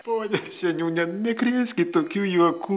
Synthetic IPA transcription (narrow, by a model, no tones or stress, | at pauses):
poːnʲɛsʲɛnʲuːnʲɛnʲɛkrʲɪsʲkʲɪt̪oːkʲuːjuɔkuː